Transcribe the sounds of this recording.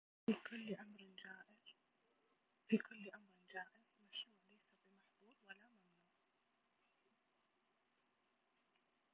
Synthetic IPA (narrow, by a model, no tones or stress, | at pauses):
fikʊlːʔamɾd͡ʒaːʔɪ | fikʰʊlːʔamɾɪnd͡ʒaːʔɪz̥maʃuːʕlajsabɪmaħd̪uːɾwalːamamnuːʕ